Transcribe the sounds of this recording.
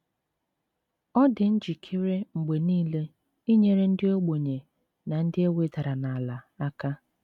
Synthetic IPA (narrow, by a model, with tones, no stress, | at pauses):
ɔ˦dɪ˨n̩˦d͡ʒi˨kʰi˦ɾe˦ŋ͡m̩˨ɡ͡be˨niː˦le˦ | i˦ɲe˨ɾe˦n̩˦dɪ˦o˦ɡ͡bo˨ɲe˨ | na˨n̩˦dɪ˦e˦we˨ta˨ɾa˨na˨a˨la˨a˦ka˦